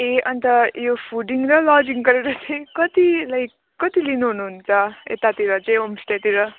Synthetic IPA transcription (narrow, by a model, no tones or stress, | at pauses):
eʔʌnt̪ʌjopʰuɖiŋrʌlʌd͡ziŋɡʌɾeɾʌt͡saj̃kʌt̪ilajkːʌt̪ilinuɦunuɦunt͡sʰʌḛt̪at̪iɾʌt͡saj̃omsʈet̪iɾʌ